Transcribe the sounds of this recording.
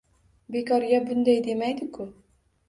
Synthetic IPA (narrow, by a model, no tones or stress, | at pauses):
bekɑɾjabʊnd̪æjd̪emæjd̪ɪkʊ